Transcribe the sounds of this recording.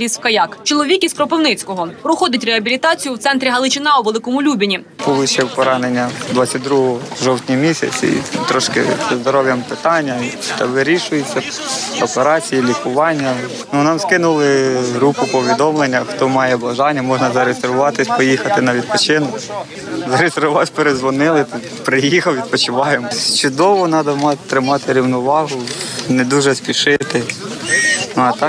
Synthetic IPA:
iswkɐjɑkt͡ʃɔlˠɔʋʲikʲizkɾɔpɪwnɪt͡sʲkɔɦɔpɾɔxɔd̪ɪtʲreɐbʲilʲit̪ɑt͡sʲijʊwt̪sɛnt̪ɾʲiɦɐlˠɪt͡ʃɪnɑɔʋelˠɪkɔmʊlʲubʲɐnʲi | pɔʋɪʃɛwpɔɾɑnenʲːɐd̪ʋat͡sʲːɐt̚ʲd̪ɾuɦɔʒɔwtʲnʲijmʲisʲɐ̰t͡sʲḭt̪ɾɔʃkɪ̰z̥ɐzd̪ɔɾɔʋjɐmpɪt̪ɑnʲːɐt̪ɐʋɪɾʲiʃʊjet͡sʲːɐɔpeɾɑt͡sʲijilʲikʊʋɑnʲːɐ | nunɑmskɪnʊlˠɪɦɾupʊpɔʋʲid̪ɔmlˠenʲːɐxt̪ɔmɑjɛbɐʒɑnʲːɐmɔʒnɐzɐɾezeɾʋʊʋɑt̪ɪsʲpɔjixɐt̪ɪnɐʋʲid̪̚pɔt͡ʃɪnɔ | zɐɾezerʋʊʋɑpeɾezʋɔnɪlˠɪt̪ɪ | pɾɪjixɐlʋʲid̪̚pɔt͡ʃɪʋɑjemɔt͡ʃʊd̪ɔʋɔnɑd̪ɐmɑt̪ɾɪmɑt̪ɪɾʲiwnɔʋɑɦʊned̪uʒɛspʲiʃɪt̪ɪ | nɐt̪ɑk

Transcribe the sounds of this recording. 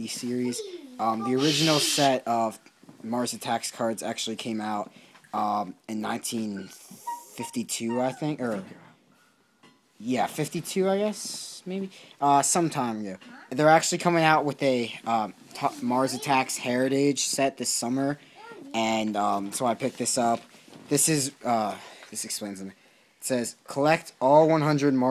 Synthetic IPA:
isɪɹiz̥ʌ̃mðiə˞ɪd͡ʒɨnl̩ˠsɛɾʌv̥mɑɹzɨtʰækskʰɑɹdzæ̰k̚t͡ʃʉl̩ˠikʰẽɪ̃maʊɾʌ̃mɨ̃nːã̰ɪ̃ntʰĩn | fɪftitʰʉaɪθɪ̃ŋkə˞ | jæfɪftitʰʉaɪɡɛsmeɪbiʔʌsʌ̃mtʰãɪ̃mɡoʊðə˞æk̚t͡ʃʉl̩ˠikʰʌ̃mɪ̃ŋaʊʔ̚wəðɨʌ | tʰmɑɹzɨtʰækshɛɹɨɾɪd̥ʒ̥sɛt̪̚ðɪsʌmə˞ | ɨ̃nʌ̃msoʊaɪpʰɪk̚ðɪsʌp̚ðɪsɨzʌðɪsɨksplẽɪ̃nzɨmi | tsɛz̥kʰəlɛk̚tɔlˠwʌ̃nɦʌ̃ndɹɨd̚mɑ

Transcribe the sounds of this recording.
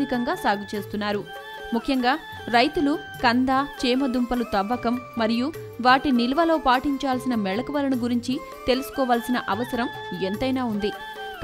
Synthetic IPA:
d̪ikɐŋɡaːsaːɡit͡ʃe̞ːst̪unːaːɾu | mukʰjɐŋɡaː | ɾɐjt̪ulu | kɐnd̪aːt͡ʃeːmɐd̪umpɐlut̪ɐʋːɐkɐmːɐɾiju | ʋaːʈinilɐʋɐlo̞ːpaːʈiɲt͡ʃaːlsinɐmɛɭɐkɐʋɐlɐnuɡuɾiɲt͡ʃi | t̪e̞lusu̥kɔːʋaːlsinɐʔɐʋɐsɐɾɐm | ent̪ɐjnaːund̪i | p

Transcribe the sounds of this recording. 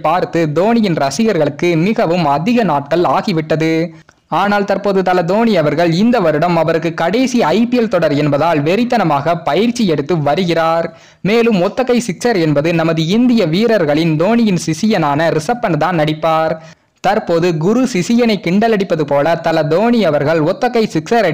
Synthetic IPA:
paːɾt̪ɯd̪oːnɪjɪnɾɐsɪjɐɾɣɐɭɯkːɯmɪɣɐʋɯmɐðɪɣɐnaːʈ̚kɐɭaːɣɪʋɪʈːɐðɯ | aːnaːlt̪ɐɾpoːðɯt̪ɐlɐd̪oːnɪjɐʋɐɾɣɐɭɪnd̪ɐʋɐɾɯɽɐmɐʋɐɾɯkːɯkːɐɽeːsiɐɪpɪjɛlt̪ɔɽɐɾɛnbɐðaːlʋɛɾɪt̪ːɐnɐmaːɣɐpɐjɪɾt͡ʃːijɛɽɯt̪ːɯʋɐɾɯɣɪraːɾ | meːlɯmɔt̪ːɐɣɐɪsɪksɐɾɛnbɐðɯnɐmɐðɯɪnd̪ɪjɐʋiːɾɐɾɣɐɭɪnd̪oːnɪjɪnsɪsɪjɐnaːnɐɾɪsɐpːɐnt̪aːnnɐɽɪpːaːɾ | t̪ɐɾpoːðɯɡʊɾusɪsɪjɐnɐɪkɪɳɖɐlɐɽɪpːɐðɯpoːlɐt̪ɐlɐd̪oːnɪjɐʋɐɾɣɐɭɔt̪ːɐɣɐɪsɪksɐɾɐ

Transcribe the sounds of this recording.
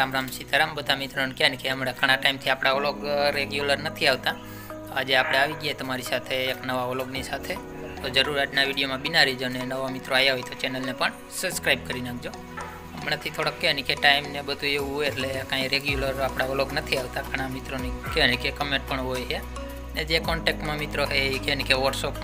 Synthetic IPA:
ɾamɾamsit̪əɾambəd̪amit̪ɾonikeanikeɦəmɽakʰəɽ̃aʈaimt̪ʰiapɽ̃aoloɡɾeɡjuləɾnət̪ʰiaʋt̪a | a̰d͡ʒeapɽ̃eaʋiɡjet̪əmaɾisat̪ʰeːknəʋaoloɡnisat̪ʰe | t̪od͡ʒəɾuɾaʈnaʋiɽijomãbinaɾid͡ʒonenəʋomit̪ɾoajaɦojt̪ot͡ʃɛnəlnepəɳ | səbskɾaib̚kəɾinak̚ʰd͡ʒo | əmnat̪ʰit̪ʰoɽəkːenikeʈaimnebəd̪ʱueʋũɦoeʈlekãiɾeɡjuləɾapɽ̃aoloɡnət̪ʰiaʋt̪aɡəɽ̃amit̪ɾonikenikekəmẽɳʈ̚pəɳɦojɦe | ned͡ʒekɔɳʈek̚ʈmãmit̪ɾoɦeikenikeʋɔɖsop

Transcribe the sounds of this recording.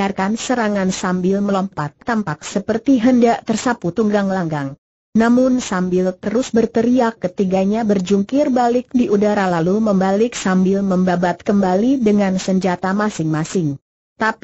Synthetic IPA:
arkansəɾaŋansambɪlməlɔmpat̪ːampak̚səpərt̪iɦəndaʔt̪ərsaput̪uŋɡaŋlaŋɡaŋ | namʊnsambɪlt̪əɾʊsbərt̪əɾiakːət̪iɡaɲabərd͡ʒuŋkɪrbalɪk̚diʔudaɾalaluməmbalɪksambɪlməmbabat̪̚kəmbalidəŋansəɲd͡ʒat̪amasɪŋmasɪŋ | t̪ap

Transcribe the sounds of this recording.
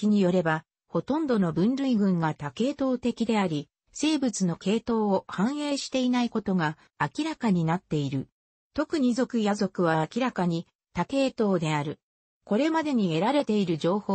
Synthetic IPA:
iɲ̟ijo̞ɾe̞ba | ho̞t̪õ̞nd̪o̞no̞bɯ̟̃nɾɯ̟iɡɯ̟̃ŋɡat̪ake̞ːt̪o̞ːt̪e̞kʲid̪e̞aɾʲi | se̞ːbɯ̟t͡sɨno̞ke̞ːt̪o̞ːohãɰ̃e̞ːɕi̥t̪e̞inaiko̞t̪o̞ɡaː | kʲiɾakaɲ̟inat̪ːe̞iɾɯ̟ | t̪o̞kɯ̟ɲ̟izo̞kɯ̟jazo̞kɯ̟β̞aːkʲiɾakaɲ̟i | t̪ake̞ːt̪o̞ːd̪e̞aɾɯ̟ | ko̞ɾe̞mad̪e̞ɲ̟ie̞ɾaɾe̞t̪e̞iɾɯ̟ʑo̞ːhoː

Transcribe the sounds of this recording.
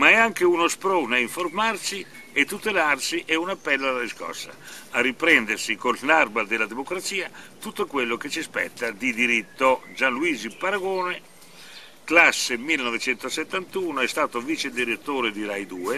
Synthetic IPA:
maɛaŋk̟eunospɾoːnaiɱformarsi | et̪ːut̪elarsiʔɛunapːɛlːoalad̪iskɔ̰sa̰arːipɾɛnd̪ersikolnarbad̪elːad̪emokɾat̪siːat̪ut̪ːokwelːok̟et͡ʃispɛ̰t̪ːad̪id̪iɾit̪ːod͡ʒanluiːzipaɾaɡoːne | klasːemilːenɔvet͡ʃɛnt̪oset̪ːant̪uːnoɛst̪aːt̪oviːt͡ʃed̪iɾet̪ːoːɾed̪iɾajd̪uːe

